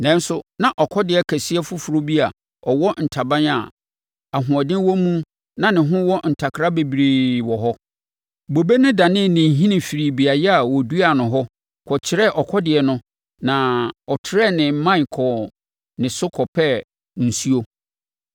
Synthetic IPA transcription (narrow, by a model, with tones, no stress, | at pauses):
nɛ̃˦n˦sʊ˦nã˨ʔɔ˨kʰɔ˦dɪ˨ɛ˦kʰæ˨sɪ˦ɛ˦fʊ˦fu˨ɾo˦bi˦a˨ | ɔ˨wɔ˦n̩˨tʰa˨bã˦na˨ | a˨ɦʊ̃˨ɔ˨dɪ̃˦n˦wɔ˦mũ˦ | nã˦nɪ̃˨ɦʊ̃˦wɔ˦n̩˨tʰa˨kʰɾa˦be˨bɾi˨wɔ˨ɦɔ˦ | bo˨be˦nʊ̃˦da˨nɪ̃˦˨nɪ̃˨ɦĩ˦nɪ̃˨fi˨ɾi˨bi˨a˨jɛ˦a˨wɔ˨du˦a˨nʊ̃˨ɦɔ˦ | kʰɔ˨t͡ɕʰɪ˦ɾɛ˦˨ʔɔ˨kʰɔ˦dɪ˨ɛ˨nʊ̃˦ | nã˨ɔ˨tʰɪ˨ɾɛ˦nɪ̃˨m̩˦mã˦i˨kʰɔ˨ | nɪ̃˨sʊ˦kʰɔ˨pʰɛ˦ | n̩˨su˦o˦